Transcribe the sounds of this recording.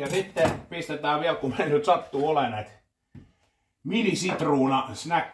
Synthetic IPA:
jɑsit̪ːepist̪et̪æːʋiælkumennyt̪sɑt̪ːuːolenet̪ | minisit̪ruːnɑsnæk

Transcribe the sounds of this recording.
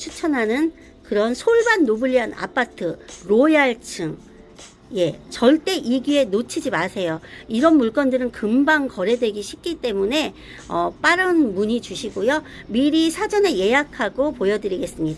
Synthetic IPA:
t͡ɕʰut͡ɕʰʌnɦanɯn | kɯɾʌnsʰoɭbanːobɯʎːiana̰pʰatʰɯɾojaɭt͡ɕʰɯŋ | je̞t͡ɕʌɭt͈e̞ʔiɡue̞not͡ɕʰid͡ʑimasʰe̞joiɾʌnmuɭk͈ʌndɯɾɯnkɯmbaŋkʌɾe̞dwe̞ɡiɕʰik͈it͈e̞mune̞ | ʌp͈aɾɯnmuɲit͡ɕuɕʰiɡojo | miɾisʰad͡ʑʌne̞je̞jakʰaɡopojʌdɯɾiɡe̞s͈ɯmɲida

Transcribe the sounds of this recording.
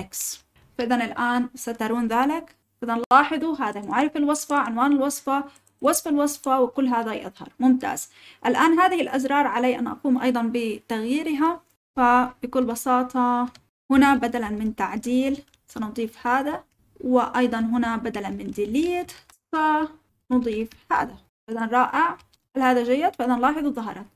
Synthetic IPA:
ʔaks | faʔɪðanɪlʔaːnsat̪ɑɾˤuːnðaːlɪk | ʔɪðanɪlwɑːħɨðˤuɦaːðamʊʕaɾɪfalwɑsˤfɑʕɪnwaːnɪlwɑsˤfɑ | wɑsˤfɪlwɑsˤfawɪkʊlːɦaːðajɪ̰ðˤhɑ̰ɾˤmʊmt̪a̰ːz̥ | ʔɪlʔaːnɦaːðɪhɪlʔazɾˤɑːɾˤʕalaːʔa̰nʔɑ̰quːmʔɑ̰jd̪ˤɑnbɪt̪aɣjiːɾɪɦa | fabɪkʊlːbɑsɑːt̪ʰˤɑ | hʊnabad̪alanmɪnt̪aʕd̪iːl | sanʊd̪ˤiːfhaːða | wɪʔɑjd̪ˤɑnɦʊnabad̪alanmɪnd̪iːlɪjːat̪ | sa | nʊd̪ˤiːfha̰ːða | aʔɪðanɾˤɑːʔɪʕ | halhaːðaʒajːad̪faʔɪðanlɑːħɨðˤwðˤɑɦɑ̰ɾˤɑt̪̚

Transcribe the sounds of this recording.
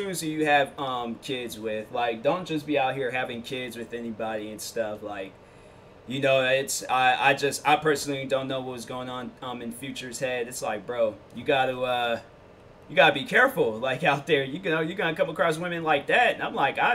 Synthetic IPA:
ʉ̃nzɨt͡ʃɨɨv̥ʌ̃mkʰɪdzwɪð̥laɪk̚d̥õʊ̃nd̥ʒ̥ʌsb̥iaʊt̚hiɹɦævɪ̃ŋkʰɪdzwɨðɛnibɑɾiɨ̃nstʌflaɪk̚ | jɨnoʊɪtsaɪa̰ɪd͡ʒʌstaɪpʰɜ˞sn̩l̩ˠidõʊ̃nːoʊwʌt̚ʌzɡoʊɪ̃ŋə̃nʌ̃mɨ̃nfjʉt͡ʃə˞z̥hɛdɨtsla̰ɪk̚b̥ɹoʊjɨɡɑɾəʌ | jɨɡɑɾɨbikʰɛɹfl̩ˠlaɪkaʊt̪̚ðə˞jɨɡnoʊjɨɡɑɾɨkʰʌ̃məkʰɹ̥ɔs̬wɪ̃mɨ̃nlaɪk̚ðæt̚ɨ̃nãɪ̃mlaɪkaɪ

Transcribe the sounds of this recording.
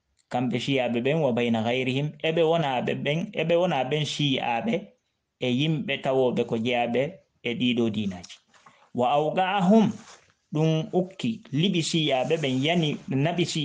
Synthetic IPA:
kambɛʃijaɓɛɓɛnwabajnaɣajɾihimɛɓɛwɔnaɛɛnɛɓɛwɔnaɓɛnʃia̰ɓɛ | ɛjimɓɛtawɔːɓɛkɔd͡ʒaɓɛː | ɗiːɗɔdiːnaːd͡ʒi̥ | waːwɡaɦum | ɗunukːiliɓisiaɓɛɓɛnjaniɓɛnaɓisi

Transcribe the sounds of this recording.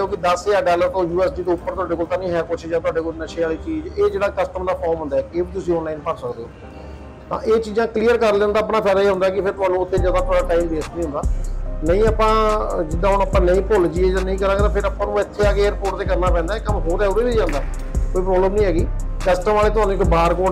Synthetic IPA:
koːkɪd̪əsaːɖaːləɾt̪õːjuːɛːsɖiːt̪oːʊpːəɾt̪ʊaːɖeːkoːlt̪ãːnĩːɦɛːkʊt͡ʃʰd͡ʒaːt̪ʊaːɖeːkolnəʃeaːliːt͡ʃiːd͡ʒeːd͡ʒeːɽaːkəsʈəmd̪aːpʰɔːɾmɦʊ̃nd̪aːɛːkeːbiːt̪ʊsĩːɔːnlaːinpəɾsəkd̪eːɦoː | t̪ã̰ːʔeːt͡ʃiːd͡ʒãːklijəɾkəɾlɛ̃ːnd̪aːp̬naːpʰɛːɾaːiːɦʊ̃nd̪aːɛːkɪpʰɪɾt̪ʊaːnũːʊt̪ʰːeːd͡ʒaːd̪aːpːʈaːimbeːst̪nĩɦʊ̃nd̪aːnəĩːəpãːd͡ʒɪd̪aːɦʊnəpãːnəĩːpʊld͡ʒiːeːd͡ʒaːnəĩːɡəlãːk̪aːpʰɪɾaːpãːnũːɪt̪ʰːeːaːɡeeːɾpoːʈd̪eːkəɾnaːpɛ̃ːnd̪aɛːkəmɦoːɾɛːoɾiːbiːd͡ʒãːnd̪aː | koːiːpɾɔːbləmnĩːɦɛːɡiː | kəsʈəmaːleːt̪ʊaːnũːkobaːɾkoː

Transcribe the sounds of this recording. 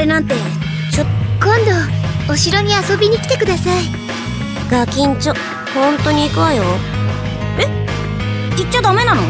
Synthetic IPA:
enãnt̪e̞ | t͡ɕokõ̞nd̪o̞oɕiɾo̞ɲ̟iasobʲiɲ̟ikʲi̥t̪e̞kɯ̟d̪asai | ɡakʲĩɲt͡ɕo | hõ̞nt̪o̞ɲ̟iːkɯ̟βajo | e | kitt͡ɕːod̪ame̞nano

